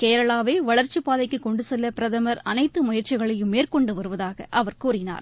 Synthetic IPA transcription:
keːɾɐɭaːʋeːʋɐɭɐɾt͡ʃɯpːaːðɐɪkːɯkɔɳɖɯsɛlːɐpɪɾɐðɐmɐɾɐnɐɪt̪ːɯmʊjɐɾt͡ʃɪɣɐɭɐjɯmːeːrkɔɳɖɯʋɐɾɯʋɐðaːɣɐ̰ʔɐʋɐɾkuːɾɪna̰ːɾ

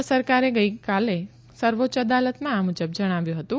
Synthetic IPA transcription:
səɾkaɾeɡəjkale | səɾʋot͡ʃəd̪alət̪mãamud͡ʒəbd͡ʒəɽ̃aʋjũɦət̪ũ

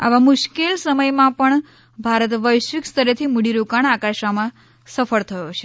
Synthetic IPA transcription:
a̰ʋamʊʃkelsəməjmãpəɳ | bʱaɾət̪ʋəjʃʋikst̪əɾet̪ʰimuɽiɾukaɳ̃akaʃamã | səfəɭt̪ʰəjot͡ʃʰe

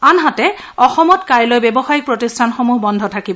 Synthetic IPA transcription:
anɦatɛ | ɔxɔmɔtkaɹlojbɛbɔxaɹik̚pɹotistʰanxɔmuɦbɔndʱɔtʰakibɔ

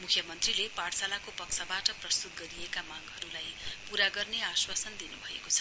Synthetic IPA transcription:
mukʰjʌmʌnt̪rilepaɽsalakopʌksʰʌbaʈʌprʌst̪ut̪̚ɡʌɾiekamaɡɦʌɾulajpuɾaɡʌrneaswasʌnd̪inubʱʌḛkot͡sʰʌ̥

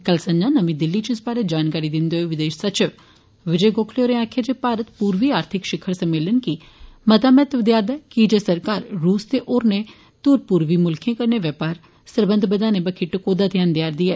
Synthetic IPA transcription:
kəlsə̃ɲd͡ʒãːnəmĩːd̪ɪlːiːt͡ʃɪsbaːɾeːd͡ʒaːnkaːɾiːd̪ɪnd̪eɦeːʋɪd̪eːʃsət͡ʃɪʋ | ʋɪd͡ʒeːɡoːkʰleoːɾẽaːkʰeːd͡ʒeːpaːɾət̪puːɾʋiːaːɾt̪ʰɪkʃɪkʰːəɾsəmeːlənki | mət̪aːmɛːt̪ʋd̪jaːd̪ɛːkid͡ʒeːsəɾkaːɾːuːst̪eːʔoːɾneː | t̪uːɾpuːɾʋiːmʊlkʰjẽːkəɾneːʋɛːpaːɾ | səɾbə̃nd̪ʱbəd̪ãːneːbəkʰiːʈəkoːd̪aːt̪ʰɪjaːnd̪jaːɾd̪iːɛː

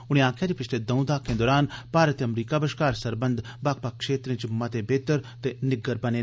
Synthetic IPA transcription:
ʊɽ̃ẽːãːkʰːjaːd͡ʒiːpɪt͡ʃʰleːd̪ə̃ũd̪aːkʰẽːd̪ɔːɾaːnpaːɾət̪eəmɾiːkaːbəʃkaːɾsəɾbənd̪baːk̚paːkkʰʃeːt̪ɾẽːd͡ʒɪmːaːt̪eːbeːt̪əɾt̪eːnɪɡəɾbəneː

